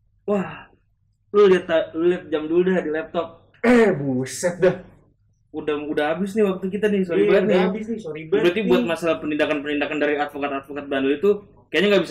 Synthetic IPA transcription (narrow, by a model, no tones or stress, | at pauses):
wah | loliat̪alʊliat̪̚d͡ʒamduldadilɛp̚t̪ɔp̚ | ɛbusət̪̚da | udahudaɦabɪs̬nɪhwak̚t̪uk̬it̪anɪhsoɾibat̪nabɪsnɪsoɾibbɾat̪ibuat̪̚masalahpənindakanpənindakandaɾiat̪̚fokat̪at̪̚fokat̪̚banʊlit̪u | kajaɲaŋɡabis